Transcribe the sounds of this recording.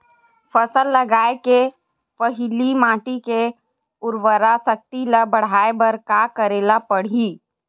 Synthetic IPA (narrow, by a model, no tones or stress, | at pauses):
fəsəlːəɡaːeke | pəɦɪlimaːʈike | ʊɾwəɾasək̚t̪iləbəɽ̤aːebəɾkaːkəɾeːlapəɽ̤iː